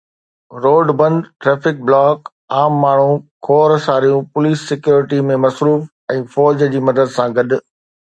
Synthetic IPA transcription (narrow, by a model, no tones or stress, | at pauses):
ɾoːɖbɐ̃nɖʈɾeːfɪk̚blaːk | aːmːaːɳ̤ũkʰoːɾsaːɾijũpʊliːsːɪkjoːɾɪʈimẽmɐsɾuːf | ɛ̃ːfɔːd͡ʑd͡ʑiːmɐd̪əd̪sãɡɐɗʊ̆